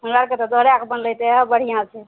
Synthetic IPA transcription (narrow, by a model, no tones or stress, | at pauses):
ɦənɾaɾket̪ɔd̪oɾeakbənləjt̪ebəɽ̤ijãt͡ʃʰɛ